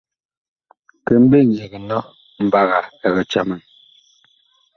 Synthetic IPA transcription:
kɛ˨m̩˦be˦˨ɲe˨ɣə˨nɔ˦ | m̩˨ba˦ɣa˨ɛ˨ɣɛ˨t͡ʃa˦mɛ˨n

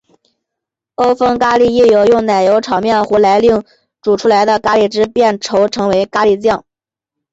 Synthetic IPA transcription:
o˥ʊfɤ˥ŋka˥li˥˩˧i˥˩jo˨˧˥ʊjʊ˥˩ŋna˨˩ɪjo˧˥ʊʈ͡ʂʰɑ˨˩ʊmjɛ˥˩nxu˧˥la˧˥ɪli˥˩ŋ | ʈ͡ʂu˨˩ʈ͡ʂʰu˥la˧˥ɪd̪ə˧ka˥li˥˩ʈ͡ʂɻ̩˥pjɛ˥˩nʈ͡ʂʰo˧˥ʊʈ͡ʂʰɤ˧˥ŋwe˧˥ɪka˥li˥˩t͡ɕjɑ˥˩ŋ

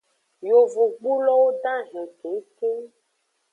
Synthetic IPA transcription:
jo˨vu˨ɡ͡bu˦lɔ˦wo˦t̪ã˦ɦẽ˨ke˨˦ke˦

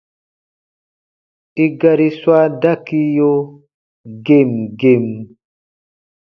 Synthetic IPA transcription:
ʔi˦ɡaɾi˦swa˦da˦ki˦jɔ˦ | ɡe˨mɡe˨m

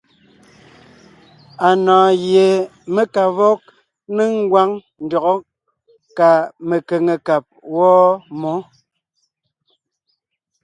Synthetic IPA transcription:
a˨nɔ̃ː˨ɣje˨me˦ka˨vɔ˦k̚ | ne˦ŋ˦ɡwa˦ŋ | n̩˨dɔ˨ɣɔ˦ | ka˨me˨ke˨ŋe˨ka˨p̚wɔː˦mo˨˦

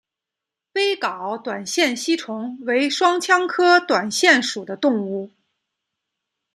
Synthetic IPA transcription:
pe˥ɪkɑ˨˩˦ʊt̪wa˨˩nɕjɛ˥˩nɕi˥ʈ͡ʂʰʊ˧˥ŋwe˧˥ɪʂwɑ˥ŋt͡ɕʰjɑ˥ŋkʰɤ˥t̪wa˨˩nɕjɛ˥˩nʂu˨˩d̪ə˦t̪ʊ˥˧ŋu˥˩

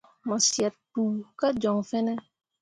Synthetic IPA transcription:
mɔ˨sjɛ˨t̚puː˨ka˦d͡ʒɔ˨ŋfɛ˦nɛ˦

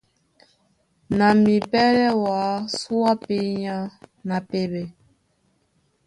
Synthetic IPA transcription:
na˨mi˨pɛ˦lɛ˦wa˨˦su˦a˦pe˦ɲã˦na˨pe˦bɛ˨

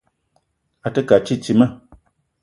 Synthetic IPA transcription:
a˨tə˦ka˨t͡ʃi˦t͡ʃi˨mə˦˨

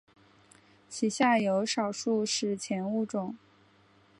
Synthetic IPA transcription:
t͡ɕʰi˨˩ɕja˥˩jo˧˥ʊʂɑ˨˩ʊʂu˥˧ʂɻ̩˥˩t͡ɕʰjɛ˧˥nu˥˩ʈ͡ʂʊ˨˩˦ŋ

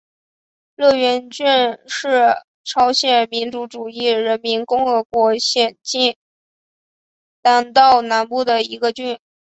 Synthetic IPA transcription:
lɤ˥˩ɥɛ˧˥nt͡ɕy˥˧nʂɻ̩˥˩ | ʈ͡ʂʰɑ˥ʊɕjɛ˨˩nmi˧˥nʈ͡ʂu˧˥ʈ͡ʂu˨˩i˥˩ɻə˧˥nmi˧˥nkʊ˥ŋxɤ˧˥kwɔ˧˥ɕjɛ˨˩nt͡ɕi˥˩n | t̪a˥˩nt̪ɑ˥˩ʊna˧˥npu˥˩d̪ə˩i˧˥ɡə˧t͡ɕy˥˩n

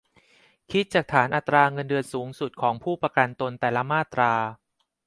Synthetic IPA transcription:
kʰi˦˥t̪̚t͡ɕaː˨˩k̚t̪ʰaː˩˦nʔa˨˩t̪ɾaː˧ŋɤ˧ndɯ˧ən̚suː˩˦ŋsu˨˩t̪̚kʰɔː˩˦ŋpʰuː˥˩pɾa˧ka˧nt̪o˧nt̪ɛː˨˩la˦˥maː˥˩t̪ɾaː˧

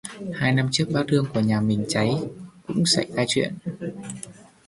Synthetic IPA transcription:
haː˧jna˧mt͡ɕɨ˦˥k̚ɓaː˦˥t̚tɨ˧əŋku˧˩əɲaː˨˩mï˨˩ŋ̟t͡ɕa˨˦jkʊ̰˧˥ŋ͡msa̰˧˩jt̪aː˧jt͡ɕwḭ˧˨ən

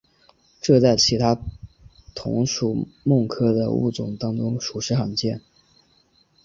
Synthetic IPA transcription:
ʈ͡ʂɤ˥˧t͡sa˥˩ɪt͡ɕʰi˧˥t̪ʰa˥ | t̪ʰʊ̰˧˥ŋʂu˨˩mʊ˥˩ŋkʰɤ˥d̪ə̰˨˧ṵ˥˩t͡sʊ˨˩ŋt̪ɑ˥ŋʈ͡ʂʊ˥ŋʂu˨˩ʂɻ̩˧˥xɑ˨˧˩ŋt͡ɕjɛ˥˩n

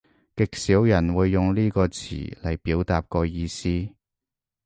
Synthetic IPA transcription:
kɪ˨k̚siː˨˥wjɐ˨˩nwuː˨˧jːʊ˨ŋliː˥kɔː˧t͡sʰḭː˨˩lɐ˨˩jpiː˨˥wt̪aː˨p̚kɔː˧jiː˧siː˥

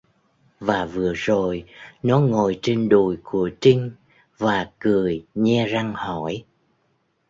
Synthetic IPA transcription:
vaː˨˩vɨ˨˩əzo˨˩jnɔ˨˦ŋo˨˩jt͡ɕe˧nɗu˧˩jku˧˩ət͡ɕi˧ŋ̟ | vaː˨˩kɨ˨˩əjɲɛ˧za˧ŋhɔ˧˩˨j

